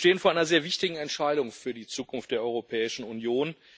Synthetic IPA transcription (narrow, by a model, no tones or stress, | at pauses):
ʃteːənfoːɐʔaɪnɐzeːɐvɪçtɪɡŋ̩ɛntʃaɪɾʊŋfyːɐdiːt͡suːkʊnftd̥eːɐʔɔʏʁopʰɛːɪʃn̩unjoːn